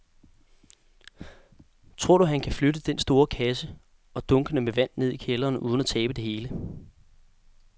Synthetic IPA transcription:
t͡sʰʁo̝ɐ̰ɾ̥uæhænkʰæfløɾəd̥ensd̥o̝ːɐkʰæsə | ɒ̽d̥ɔ̽ŋɡ̥ənəmeʋæn̰ne̝ð̞̰ˠikʰelɐːnʔuð̞ˠn̩æt͡sʰɛːb̥əd̥e̝he̝ːlə

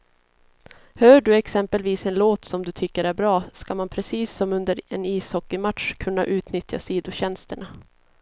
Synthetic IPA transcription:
hœːɖɵɛksɛmpəlviːsɛnloːt̪sɔmd̪ɵt̪ʰʏkːəɾæɾbɾɑːskamanpʰɾɛsiːsːɔmɵnd̪əɾɛniːshɔkːɪmat̪ʂkʰɵnːaʔʉ̟ːt̪nʏt̪ja̰siːd̪ʊɕɛnst̪əɳa

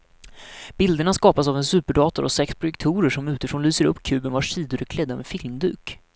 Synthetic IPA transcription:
b̥ɪld̪əɳaskɑːpasavɛnsʉ̟ːpəɖɑːt̪ʊɾɔ̰sɛkspʰɾʊjɛk̚t̪ʰuːɾəʂɔmʉ̟ːt̪ɪfɾoːnlyːsəɾɵpːkʰʉ̟ːbənvaʂiːd̪ʊɾɛkʰlɛd̪ːamɛfɪlmd̪ʉːk

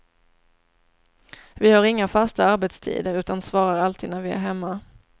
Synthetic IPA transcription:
vɪhaɾɪŋːafast̪aaɾbɛt̪st̪ʰḭːd̪əɾʉ̟ːt̪ansvɑːɾaɾalt̪ʰiːd̪næɾvɪæ̰ɾɦɛmːa

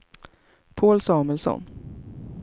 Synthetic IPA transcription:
pʰoːlsɑːməlsɔ̰n

